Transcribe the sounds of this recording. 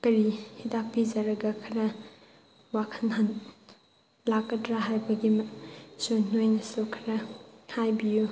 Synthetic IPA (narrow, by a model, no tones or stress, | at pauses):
kɐɾihidapizɐɾɐɡɐkʰɐɾɐ | wakʰɐnɦan | lakːɐtɾaɦajbɐɡimson̥ojnɐsokʰɐɾɐhajbiju